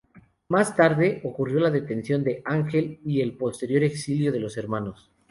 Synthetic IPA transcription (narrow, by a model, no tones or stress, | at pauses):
mast̪aɾðe̞ʔo̞kurjo̞laðe̞t̪e̞nsjo̞nd̪e̞ʔaŋxe̞lie̞lpo̞st̪e̞ɾjo̞ɾe̞ksiljo̞ð̞e̞lo̞se̞ɾmanos